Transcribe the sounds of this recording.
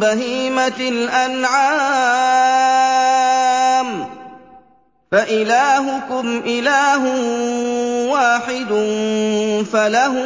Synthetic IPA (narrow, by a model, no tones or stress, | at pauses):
baɦiːmalʔanʕa | m | faʔɪlaːɦʊkʊmʔɪlaːɦʊ | waːħɪd̪ʊn | falaɦʊ